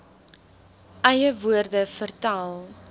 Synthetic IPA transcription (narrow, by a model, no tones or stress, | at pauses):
ʔɛjəvuərdəfərtaːlˠ